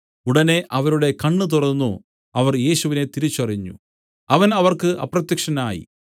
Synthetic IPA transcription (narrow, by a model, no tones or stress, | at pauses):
uɽɐne̞ʔɐʋɐɾuɽe̞kɐɳːɨt̪̬urɐnːu | ɐʋɐrje̞ːɕuʋine̞t̪iɾit͡ɕːɐriɲːṵ | ɐʋɐnɐʋɐrkɨʔɐ̰prɐt̪jɐkʂɐnaːjḭ